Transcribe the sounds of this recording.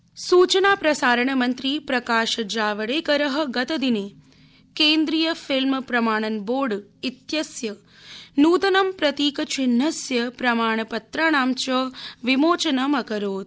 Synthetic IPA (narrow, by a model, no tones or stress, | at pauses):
suːt͡ʃɐnaːpɾɐsaːɾɐɳɐmɐnt̪ɾipɾɐkaːʃɐd͡ʒaːʋɐɽeːkɐɾɐɦɐ̆ɡɐt̪ɐd̪ineː | keːnd̪ɾijɐfʰilmpɾɐmaːɳɐnboːɖit̪jɐsjɐ | nuːt̪ɐnɐmpɾɐt̪iːkɐt͡ʃinːɐsjɐpɾɐmaːɳ̃ɐpɐt̪ɾaːɳaːmt͡ʃɐʋimoːt͡ʃɐnɐmɐkɐɾoːd̪̚